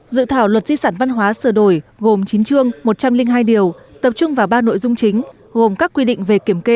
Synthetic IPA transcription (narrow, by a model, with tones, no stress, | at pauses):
zɨ̰˧˨t̪ʰaː˧˩wlwə˨˩t̚z̥i˧saː˧˩nva˧nɦwaː˨˦sɨː˧˩ɗo˧˩jɣo˨˩mt͡ɕi˨˦nt͡ɕɨ˧əŋmo˨˩t̚t͡ɕa˧mlï˧ŋ̟ɦaː˧jɗi˨˩əw | t̪ə˨˩p̚t͡ɕʊ˧ŋ͡mvaː˨˩wɓaː˧no̰˧˨jzʊ˧ŋ͡mt͡ɕï˨˦ŋ̟ | ɣo˨˩mkaː˦˥kːwi˧ɗḭ˧˨ŋ̟ve˨˩ki˧˩əmke˧